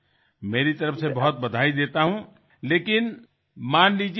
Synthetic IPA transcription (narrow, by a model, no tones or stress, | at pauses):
meːɾit̪ɐɾəfsebɐɦʊt̪̚bɐd̪ʱaːid̪eːt̪aɦũ | leːkɪn | maːnliːd͡ʒi